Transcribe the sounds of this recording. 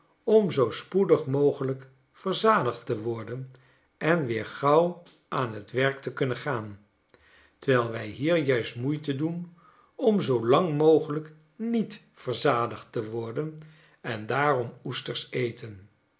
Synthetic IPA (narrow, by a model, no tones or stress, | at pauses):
ɔmzowspudəχmowχələk | fəɹzaːdəχtəʋɔɹdən | ʔɛnʋɪːɹχɑw | ʔaːnɦətʋɛɹktəkɵnənχaːn | təʋɛlˠʋɛjɦiːɹjœɥstmujtədun | ɔmzowlɑŋmowχələk | nit | fəɹzaːdəχtəʋɔɹdən | ɛndaːrɔmustəɹsejtən